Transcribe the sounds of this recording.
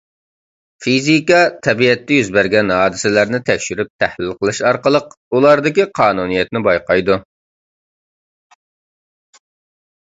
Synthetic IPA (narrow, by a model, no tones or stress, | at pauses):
fizikɑt̪ʰɛbiɛt̪ːɛjyzbæɾɡʲɛnhɑːd̪ɪsɪlæɾnɪt̪ʰɛkʲʃyɾyp̚t̪ʰæhlɪlqʰəlˠɨʃɑɾqəlˠəq | ulˠɑɾd̪ɨkʲiqʰɑːnunijɛt̪nɪbɑjqɑjd̪u